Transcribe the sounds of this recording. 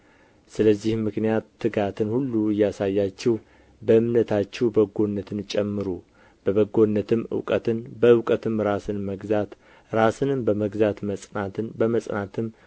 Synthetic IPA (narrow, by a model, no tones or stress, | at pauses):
sɨləzːihmɨknijat̪ːɨɡat̪ʰɨnhulːuɨjasajːat͡ʃːɛw | bəɨmnət̪ʰat͡ʃːɛwbəɡo̞nːət̪ʰɨnt͡ʃʼɛmːɨɾu | b̥əβəɡo̞nːət̪ʰɨmɨ̰wkʼət̪ɨnbəɨwkʼət̪ɨmɾasɨnməɡzat̪ | ɾasɨnɨmbəməɡzat̪məsʼnat̪ɨnbəməsʼnat̪ʰɨm